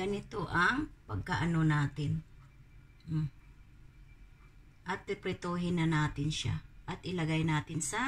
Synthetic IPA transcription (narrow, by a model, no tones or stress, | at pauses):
ɐnɪt̪oʔɐŋpɐɡ̚kaʔɐnonaːt̪ɪn | ʔɐt̪̚ɾɪpɾɪt̪oɦɪnɐnaːt̪ɪnʃa̰ʔɐt̪ʔɪlɐɡajnaːt̪ɪnsɐ